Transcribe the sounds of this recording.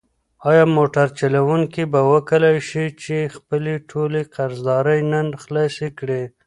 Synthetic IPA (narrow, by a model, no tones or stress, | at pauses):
ɑjɑmoʈaɾt͡ʃalawuŋkibawəkəlajʃit͡ʃexpəleʈʰoleqaɾzd̪ɑɾəjnənxlɑsekɽe